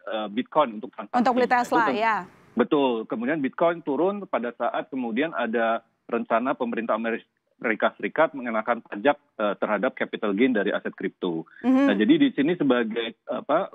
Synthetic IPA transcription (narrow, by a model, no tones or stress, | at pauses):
əbit̪̚kɔjnunt̪ʊkt̪ɾansaunt̪ʊk̚plit̪aaslaja | bət̪ʊlkəmudianbit̪̚kɔjnt̪uɾʊnpadasaʔat̪̚kəmudianʔada | rəɲt͡ʃanapəməɾint̪ameɾi | ɾikasəɾikat̪̚məŋənakanpad͡ʒak̚ət̪ərhadap̚kapit̪alɡendaɾiʔa̰sɛt̪̚kɾip̚t̪unad͡ʒadidisinisəbaɡajapa